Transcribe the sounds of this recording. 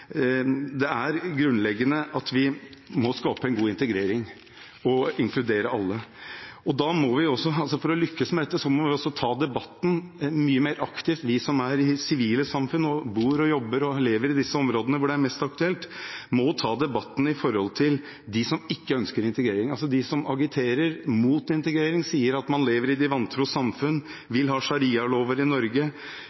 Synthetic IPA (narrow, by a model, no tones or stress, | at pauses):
d̪ɛæɾɡɾʉnlɛɡːənəʔɑt̪ʋɪmɔskɑːpəɛnɡuːɪnt̪əɡɾeːɾɪŋ | ɔɪŋkʰlʉd̪eːɾəɑlːəɔd̪ɑːmɔʋɪɔsɔɑlsɔfɔɾɔlʏkːəsmɛd̪ɛt̪ːəsɔmɔʋɪɔsːɔt̪ʰɑːd̪ɛbɑt̪ːn̩myːəmeːɾʔɑkt̪ɪft̪ʋɪsɔmæɾɪsɪʋiːləsɑmfʉnːɔbuːɾɔjɔbːəɾɔleːʋəɾɪd̪ɪsːəɔmɾoːd̪ənəʋʊɖɛæɾmɛst̪ɑk̚t̪ʉɛlt̪mɔt̪ʰɑːd̪ɛbɑt̪ːn̩ɪfɔɾhɔlt̪ʰɪl | d̪ɪsɔmɪkːəœnskəɾɪnt̪əɡɾeːɾɪŋɑls̬ɔd̪ɪsɔmʔɑɡɪt̪ʰeːɾəɾmuːt̪ɪnt̪əɡɾeːɾɪŋsiːəɾɑt̪mɑnleːʋəɾɪd̪ɪʋɑnt̪ʰɾuːsɑmfʉnː | ʋɪlɦɑːʂɑɾiːɑloːʋəɾɪnɔɾɡə